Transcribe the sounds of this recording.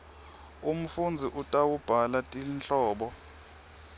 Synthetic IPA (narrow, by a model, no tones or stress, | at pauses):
um̩fund͡zʱiʔutʼawub̥ʱalatʼinɬɔːɓɔ